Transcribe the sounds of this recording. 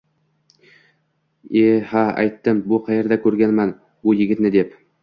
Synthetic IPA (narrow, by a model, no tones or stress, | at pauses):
ehaa̰jt̪ːɪmbʊqʰɑjeɾd̪akʲʰɵɾɡʲanman | bʊjɪɡʲɪt̪nɪd̪ep